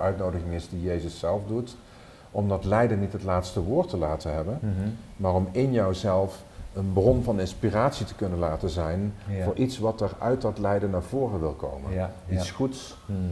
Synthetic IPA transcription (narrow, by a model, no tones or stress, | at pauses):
œɥtnowdəχɪŋɪzdijejzəsɛlˠfdut | ɔmdɑtlɛjdənitɦətlaːtstəʋʊːɹtəlaːtənɦɛbənmaːrɔmɪnjɑwzɛlˠf | ənbrɔnvɑnɪnspiraːtsitə̥kɵnənlaːtəzɛjnvʊːɹʔitsʋɑtəɹœ̰ɥt̚dɑtlɛjdənaːɹvʊːrəʋɪlˠko̰wmə̰nitsχuts